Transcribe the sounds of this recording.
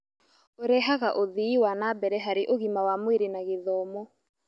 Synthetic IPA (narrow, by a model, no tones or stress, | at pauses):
oɾɛɦaɣaʔoðiiwanabɛɾɛɦaɾeʔoɣimawamweɾenaɣeðɔːmɔ